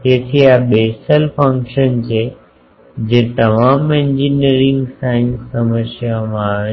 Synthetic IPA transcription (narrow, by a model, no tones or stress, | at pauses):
teːt̪ʰiabeːsəlpʰə̃ŋkʃənt͡ɕʰe | d͡ʑẽːt̪ɐmaːmɪ̃ɲd͡ʑineɾɪ̃ŋɡsaːɪ̃nsːɐməsjamãː